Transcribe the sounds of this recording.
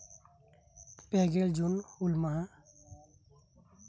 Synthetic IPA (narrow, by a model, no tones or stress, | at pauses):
peɡeld͡ʒunulmaa